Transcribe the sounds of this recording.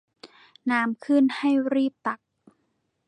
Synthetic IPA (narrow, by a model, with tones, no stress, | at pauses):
naː˦˥mkʰɯ˥˩˨nha˥˩jɾiː˥˩p̚t̪a˨˩k̚